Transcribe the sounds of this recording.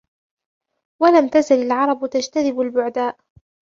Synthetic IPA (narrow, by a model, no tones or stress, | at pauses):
walamt̪azalalʕɑɾˤɑbt̪ad͡ʒt̪aðɪbalbʊʕd̪aːʔ